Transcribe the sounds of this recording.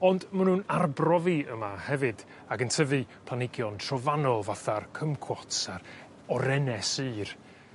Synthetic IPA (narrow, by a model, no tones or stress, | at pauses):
ɔndmənuːnarbrɔviəmahɛvɨd | aɡəntʰəvɨpʰlˠanɪɡjɔntʰrɔvanɔlˠvaθarkʰəmkʰwɔtsar | ɔɾɛnɛsɨːr